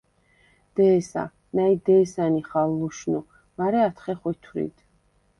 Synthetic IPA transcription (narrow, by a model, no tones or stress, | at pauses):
d̪̥ɛːsa̰ | naid̪ɛːsaniχalːuʃnu | maɾɛat̪ʰχɛχit̪ʰwɾḭd̪